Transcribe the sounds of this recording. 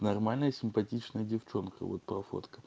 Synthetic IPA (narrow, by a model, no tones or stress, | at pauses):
nɐrmalʲnəjəsʲɪmpɐtʲit͡ɕnəjədʲɪft͡ɕo̞nkə̰vo̰t̪̚pɾɐfo̰t̪kə̥